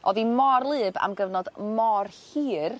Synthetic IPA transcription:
ʔɔðimɔrlˠɨːba̰mɡəvnɔd̥mɔrhiːr

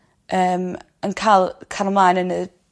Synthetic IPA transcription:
əːm | ənkʰalˠkʰalmlˠaːjnənə

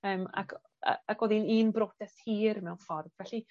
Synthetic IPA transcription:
əːma̰kʰ | a̰akʰwɛðiniːnbɾotɛshiːɾmɛwnfɔrdvɛɬi

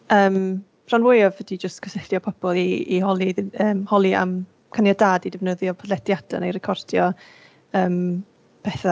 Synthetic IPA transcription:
əːm | pʰr̥anwejɔvhədid͡ʒəstkʰəsɛθjɔpʰɔb̥ɔlˠiihɔlˠiðəːmhɔlˠia̰m | kʰanjadaːdidɪvnəðjɔpʰəlɛdjad̥a̰nejɾɛkʰɔrd̥jɔ | əːm | pʰɛθa

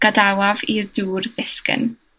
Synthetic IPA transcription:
ɡ̥adawavirduːrðɪskə̰n

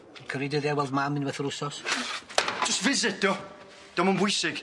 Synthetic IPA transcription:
kʰəɾidɪðɛwɛlˠdmamɪ̃nwɛθəɾʊsɔs | d͡ʒʊstvɪzɪdɔ | d̥ɔmənbʊjsɪɡ̥

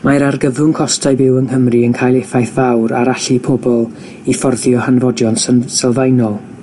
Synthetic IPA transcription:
majɾarɡəvʊnkʰɔstʰajbɪwənhəmriənkʰajlˠefajθvawɾaɾaɬipʰɔbɔlˠ | ifɔrðjɔhanvɔdjɔnssɛlˠvajnɔlˠ

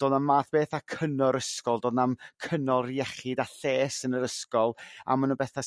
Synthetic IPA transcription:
d̥oːdnammaːθb̥eːθakʰənɔɾəskɔlˠdoːdnamkʰənɔlˠriɛχɪdaɬeːsənəɾəskɔlˠa̰mənubɛθa

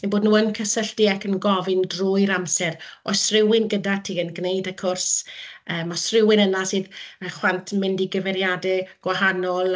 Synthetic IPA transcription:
meboːdnuːənkʰəsəɬd̥iakənɡɔvɪndrʊɨɾamsɛrɔ̰srɪwɪnɡədatʰiːənɡnejdəkʰʊrsəːmasrɪwɪnənasɨːðəχwantʰmɪndiɡəvɛɾjadɛɡ̥waɦanɔlˠ

